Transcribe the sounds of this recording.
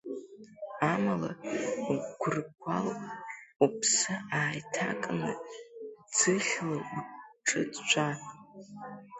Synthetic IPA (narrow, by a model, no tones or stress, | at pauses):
amala̰ | ɡʷʊrkʷʰalʼupʰsɨaːjtʰakʼnɨ | d͡zɨɬʲlauʈ͡ʂʼɨt͡st͡ʃʷʰa